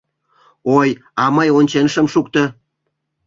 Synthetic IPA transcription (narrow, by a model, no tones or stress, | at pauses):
oj | ɑmɤjonʲt͡ɕenʃə̆mʃukt̪ə̆